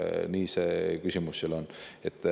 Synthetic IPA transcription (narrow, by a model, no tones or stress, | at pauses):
niːseːkysʲimusːelonet̪ːˑ